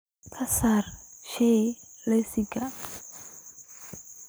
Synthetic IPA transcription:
kʰasarʃelesiɡa

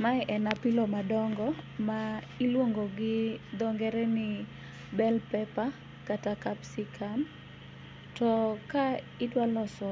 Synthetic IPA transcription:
maɛʔɛnapilɔmadɔŋɡɔma | ilwoŋɡoɡɪd̪ɔŋɡɛɾɛnɪ | bɛlpɛpa | katakapsikʰan | tɔka | itwalɔsɔ

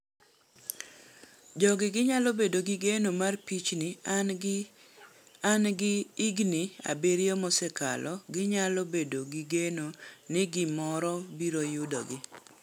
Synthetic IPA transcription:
d͡ʒɔɡɪɡɪɲalobedoɡɪɡenomarpit͡ʃnɪ | anɡɪiɡnɪa̰beɾjomɔsɛka̰lʔɔɡɪɲalobedoɡɪɡenonɪɡɪmɔɾɔbiɾojʊdɔ̰ɡɪ

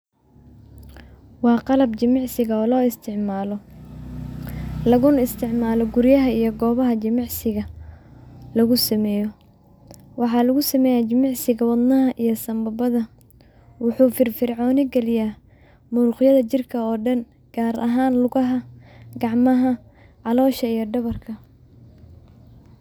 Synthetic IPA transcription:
wɑːqɑlɐbt͡ʃɪmɪʕsɪɣɐɔːlɔːɪst̪ʰɪʕmaːlɔ | lɐɣʊnɪst̪ʰɪʕmaːlɔɡʊɾjɐɦɐijɔɡɔːβɐɦɐt͡ʃɪmɑʕsɪɣɐ | lɐɣʊsɐmɛːjɔ | wɑħɑːlɐɣʊsɐmɛːjaːt͡ʃɪmɑʕsɪɣɐwɑd̪nɐɦɐʔijɔsɐmbɐbɐðɐ | wʊħuːfɪrfɪrʕɔːnɪɡɛlɪjaː | muːɾʊqjɐðɐt͡ʃɪrkʰɐɔːɖɐn | ɡ̥aːɾʔɐ̰ɦaːnlʊɣɐɦɐɡɑʕmɐɦɐ | ʕɑlɔːʃɐijɔɖɐβɐrkʰɐ

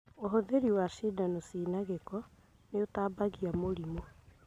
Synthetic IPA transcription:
oɦoðeɾiwaʃidanosiːnaɣekɔ | neotaːbaɣiamoɾimo

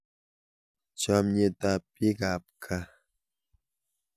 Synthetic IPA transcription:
t͡ʃamɲet̪apiɢap̚kʰa

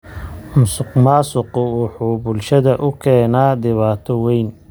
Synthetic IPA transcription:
ʊmsʊqmaːsʊqʊwʊħuːbʊlʃɐðɐʔʊkʰɛːnaːd̪ɪβaːt̪ʰɔwɛjn

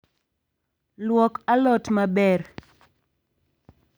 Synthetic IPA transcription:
lwɔkalɔtmabɛr

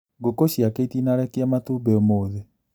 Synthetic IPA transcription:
ɡokoɕiakeitinaɾɛkeamatubeɔmoːðe

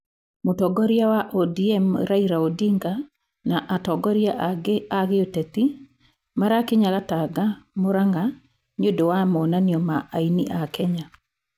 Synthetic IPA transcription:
motɔɡɔɾiawaʔɔdiɛmɾaiɾaodiŋɡa | naʔatɔɡɔɾjaaɣeotɛt̪i | maɾakeɲaɣataɡamoɾaŋɡa | ɲodɔwamɔnaniɔmaainḭʔakɛɲa

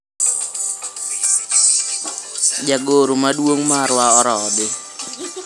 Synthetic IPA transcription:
d͡ʒaɡoɾumaduoŋmaɾʊwaɔɾɔdɪ

